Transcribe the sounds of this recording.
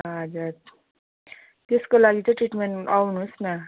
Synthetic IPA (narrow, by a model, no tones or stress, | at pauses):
ɦʌd͡zuɾ | t̪eskolaɡit̪ʌʈriʈmeɳʈawnusnʌ